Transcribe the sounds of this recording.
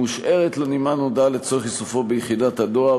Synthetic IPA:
uʃʔeʁet̪lonimanodalet͡soʁeχisufo̞bejχidat̪adoa

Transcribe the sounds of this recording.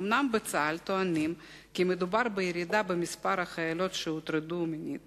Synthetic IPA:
omnambet͡salt̪oanim | kimed̪ubaɾbejeɾid̪abemispaɾaχajalo̞t̪ʃeut̪ɾed̪uminʲḭt̪

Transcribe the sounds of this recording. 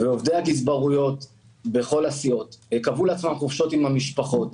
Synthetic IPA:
veovd̪ejakis̬baʁujo̞t̪ | be̞χo̞lasio̞t̪hekavuleat͡smamχufʃo̞timamiʃpaχo̞t

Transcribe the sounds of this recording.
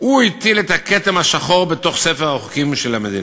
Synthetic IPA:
uit̪ilet̪aket̪emhaʃaχo̞ʁbet̪o̞χsefeʁaoχukimʃelamed̪ḭn

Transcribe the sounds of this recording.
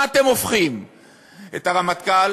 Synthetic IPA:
t̪e̞mofχim | ḛtaʁamat̪kal

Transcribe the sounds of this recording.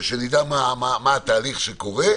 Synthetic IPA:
ʃenid̪amamamaat̪aːliχʃekoʁe

